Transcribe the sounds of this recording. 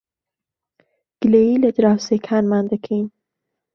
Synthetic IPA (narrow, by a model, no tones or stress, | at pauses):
ɡ̥leiled̪ɾawsekʰanmand̪əkʰin